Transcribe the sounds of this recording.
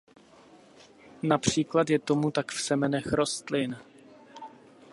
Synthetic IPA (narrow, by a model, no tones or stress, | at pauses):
napr̝̥iːklat̪jɛt̪o̞mut̪akfsɛmɛnɛxɾo̞st̪lɪn